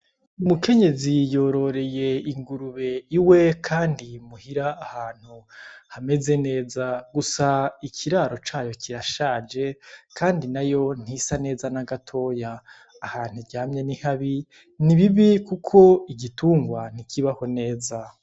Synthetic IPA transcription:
umuke̞ɲe̞zijo̞ːɾo̞ɾe̞je̞iŋɡuɾuβe̞iwe̞kʰaːndimuhiɾaːhaːn̥huhame̞ze̞ne̞ːzaɡusaikʰiɾaɾo̞t͡ʃaːjo̞kiɾaʃaːd͡ʒe̞kʰaːndinajo̞n̥hisane̞ːzanaɡatʰo̞ːjaː | haːn̥huɟaːmɲe̞nihaβi | niβiβikukʰo̞iɟituːŋɡwan̥ikʰiβaho̞ne̞ːza

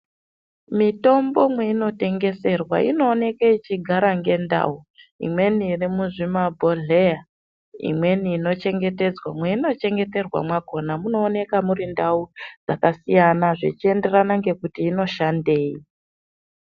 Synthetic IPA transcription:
mito̞mbo̞mwe̞ino̞te̞ŋɡe̞se̞rwa̰ʔḭno̞ːne̞kait͡ʃiɡʱaɾaŋɡe̞nda̰u | ḭmwe̞niːrimuʐimabʱo̞ɮeja | ḭmwe̞niːno̞t͡ʃe̞ŋɡe̞te̞d͡zwamwe̞ino̞t͡ʃe̞ŋɡe̞te̞rwa̰mwako̞namuno̞ːne̞kamuɾindaud͡zakasijanaʐet͡ʃie̞nde̞ranaŋɡe̞kutiːno̞ʃande̞ːi

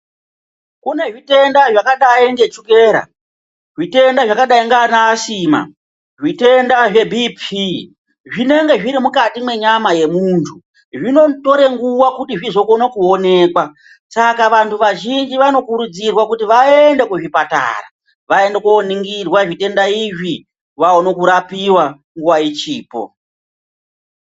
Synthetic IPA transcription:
kune̞ʐite̞ndaʐakaɗaiiŋɡe̞t͡ʃuke̞ːɾa̰ | ʐite̞ndaʐakaɗaiŋɡanaːsima̰ | ʐite̞ndaʐe̞bʱipʰi | ʐine̞ŋɡe̞ʐiɾimukatimwe̞ɲamaje̞muntʰu | ʐino̞to̞ɾe̞ŋɡuwakutiʐizo̞konakuone̞ːkwa | sakaʋantʰuʋaʒind͡ʒiʋano̞kuɾud͡zirwakutiʋaende̞kuʐipata̰ra̰ | ʋae̞ndekuoniŋɡirwaʐite̞ndaiʐi | ʋaonokuɾapiwa | ŋɡuwait͡ʃiːpo̰

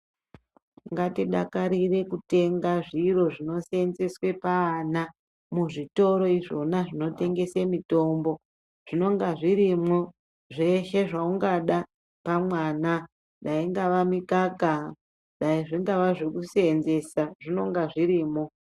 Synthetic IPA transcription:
ŋɡatiɗa̰kaɾire̞kute̞ŋɡaʐiɾo̞ʐino̞seenze̞swe̞paːna | muʐito̞ɾo̞iʐo̞naʐino̞te̞ŋɡe̞semito̞mbo̞ | ʐ̥ino̞ŋɡaʐiɾimo | ʐe̞ʃe̞ʐauŋɡaɗa | pamwaːna | ɗaiŋɡaʋamikaka | ɗaiʐiŋɡaʋaʐekuseenze̞saʐino̞ŋɡaʐiɾiːmo

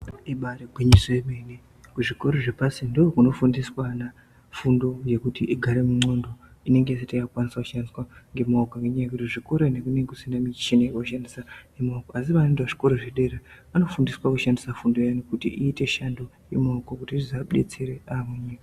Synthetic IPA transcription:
iɓaɾeɡʱwiɲisemeni | kuʐiko̞ɾoʐepasindookuno̞fundiswana | fundo̞je̞kutiʔiɡʱaɾe̞muŋ͡ǀo̞ndoine̞ŋɡe̞isetajakukwaniswakuʃandiswaŋɡe̞moɡaŋɡeɲakutiʐiko̞ɾonekuneŋekusindamit͡ʃineekouʃandisaemokoasiʋanendaʐiko̞ɾoʐeɗe̞ɾe | ano̞fundiswakuʃandisafundo̞janokutḭʔiːte̞ʃando | jemokokutizaɗe̞̰t͡seɾeamuɲika

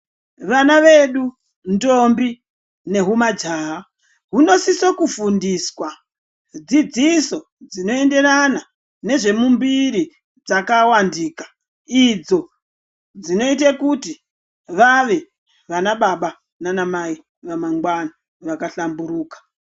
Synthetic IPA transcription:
ʋanaʋeɗu | ndo̞mbi | ne̞ɦumad͡ʒaːɦa | ɦuno̞sisokufundiswa | d͡zid͡ziso̞ | d͡zino̞e̞nde̞ɾana | ne̞ʐe̞mumbiɾi | d͡zakawandiːkḁ | id͡zo̞ | d͡zino̞itakuti | ʋaʋe̞ | ʋanaɓaɓa | nanamai | ʋamaŋɡwana | ʋakaɬambuɾuːkḁ

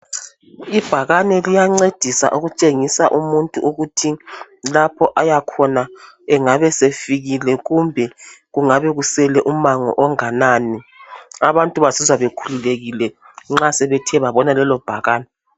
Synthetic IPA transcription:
ib̥ʱaɣanɛlijaŋ͡ǀed̥ʱisa̰ʔuɣut͡ʃʼeŋisaʔumuntʼuʔuɣutʰi | lapʰɔʔajakʰɔna | ɛŋaβɛsefiɣilɛɣumbʱɛɣuŋaβɛɣusɛlɛʔumaŋɔ̰ʔɔŋanaːniaβantʼuβasizwaβekʰululeɣilɛ | ŋ͡ǁasɛβɛtʰɛβaβɔnalɛlɔb̥ʱaɣaːnɛ

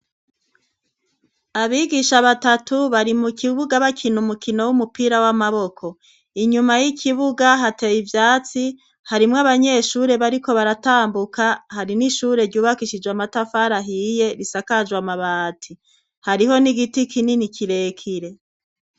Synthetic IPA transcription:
aβiːɡiʃaβatatuβaɾimukiβuɡaβakʰinumukino̞wumupiːɾawamaβo̞kʰo̞ | iɲumajikʰiβuɡaɦate̞jivjaːt͡si | haɾimŋaβaɲe̞ʃuːɾe̞βaɾiko̞βaɾataːmbukahaɾiniʃuːɾe̞ɾɟuːβakiʃid͡ʒwamatafaːɾaɦije̞ɾisakad͡ʒwamaβaːtʰi | haɾiɦo̞niɡitikʰininikʰiɾe̞ːkʰiɾe̞

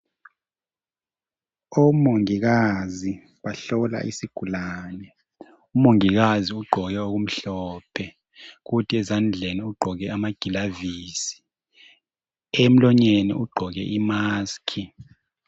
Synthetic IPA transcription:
omoŋik̬azi | ɓaɬɔla̰ʔḭsiɡ̥ʱulaːnɛ | umoŋik̬aziuɡ͡ǃʱɔk̬ɛok̬um̩ɬɔpʰɛ | k̬utʰiɛzand͡ɮʱeniuɡ͡ǃʱɔk̬ɛamaɡ̥ʱilaviːsi̥ | em̩lɔɲenḭʔuɡ͡ǃʱɔk̬ɛ̰ʔimaːskʰi

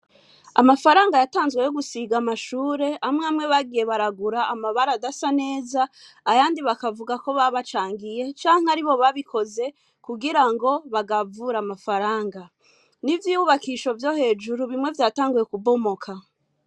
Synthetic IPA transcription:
a̰mafaɾaːŋɡajataːnzɡwe̞jo̞ɡusiɡamaʃuːɾe̞amŋamŋe̞βaɡije̞βaɾaɡuɾaːmaβaɾadasane̞ːzaː | βaːndiβakavuɡako̞βaβat͡ʃaːŋɡije̞t͡ʃaːŋaɾiβo̞βaβikʰo̞ze̞ | kuɡiɾaŋɡo̞βaɡavuɾamafaɾaːŋɡa | nivjiuβakiʃo̞vjo̞he̞ːd͡ʒuɾuβimŋe̞vjaːtaːŋɡuje̞kubo̞mokʰa

